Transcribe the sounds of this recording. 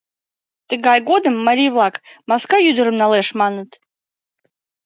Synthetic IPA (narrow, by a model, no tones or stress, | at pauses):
t̪ɨɡajɡod̪ɨmːaɾʲijvlˠakmaskajyd̪ɨɾɨmnalˠɛʂmanɨt̪